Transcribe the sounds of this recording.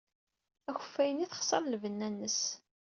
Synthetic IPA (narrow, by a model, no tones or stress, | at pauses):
æçə̥fːæjəniθə̥χsˤɑɾˤlvənːænːəs